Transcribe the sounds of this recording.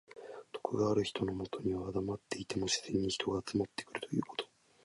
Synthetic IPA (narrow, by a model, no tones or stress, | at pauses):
t̪o̥kɯɡaːɾɯ̟çi̥t̪o̞no̞mo̞t̪o̞ɲ̟iβaad̪amat̪ːe̞it̪e̞mo̞ɕi̥z̥ẽ̞ɲ̟ːiçi̥t̪o̞ɡaːt͡sɨmat̪ːe̞kɯ̟ɾɯ̟t̪ʰo̞jɯ̟ːko̞̥t̪o̥